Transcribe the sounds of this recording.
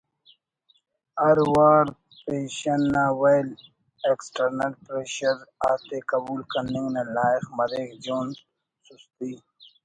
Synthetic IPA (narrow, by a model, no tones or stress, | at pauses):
ɐɾwaːɾ | peːɕɐnːaːwajl | eksʈɐɾnɐlpɾeːɕɐɾaːt̪eːkɐbuːlkɐnĩŋɡnalaːixmɐɾeːkd͡ʒoːn | sust̪iː